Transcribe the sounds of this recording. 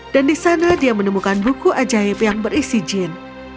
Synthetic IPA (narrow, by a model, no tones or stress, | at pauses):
d̥andisanadiamənəmukanbukuʔad͡ʒaɪpjaŋbəɾisid͡ʒɛn